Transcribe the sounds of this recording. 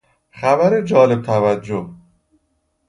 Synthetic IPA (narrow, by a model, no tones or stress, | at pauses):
xæbæɾed͡ʒɒːle̞b̚t̪ʰævæd͡ʒːoh